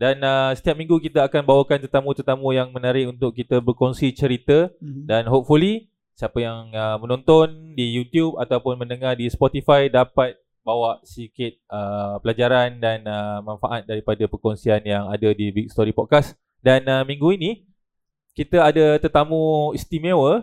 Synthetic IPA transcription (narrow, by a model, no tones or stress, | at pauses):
danəsə̥t̪iap̚mĩŋɡukit̪əakanbawakant̪ərt̪amũt̪ərt̪amũjaŋmə̃naɾɪʔunt̪ʊk̚kːit̪əbərkɔŋsit͡ʃəɾit̪ədanɦop̚fuli | siapəjaŋəmənɔ̃nt̪ɔndijut̪jub̚a̰t̪awpʊnmə̃nəŋahdispɔt̪ifajdapat̪̚ | bawaʔsikɪt̪̚əpəlad͡ʒaɾandanəmãnfaʔat̪̚daɾipadapərkɔŋsianjaŋadədibik̚st̪ɔɾipɔt̪̚kas | danəmĩŋɡuini | kit̪əadət̪ərt̪amũist̪imewə